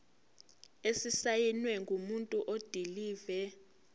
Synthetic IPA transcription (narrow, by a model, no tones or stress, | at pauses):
esisajinwɛŋɡʱumuntʼuʔod̥ʱiliːvɛ